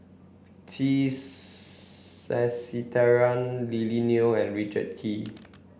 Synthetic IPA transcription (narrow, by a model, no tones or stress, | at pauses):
tʰi | ɛsitʰɛɹãnlilinioɛ̃nɹit͡ʃə̰d̚kʰi